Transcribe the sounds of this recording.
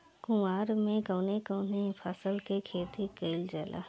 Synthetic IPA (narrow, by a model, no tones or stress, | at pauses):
kʊmaːɾmẽkəːnekəːnepʰəsəlkekʰeːt̪ikeɪld͡ʒəlʔa̰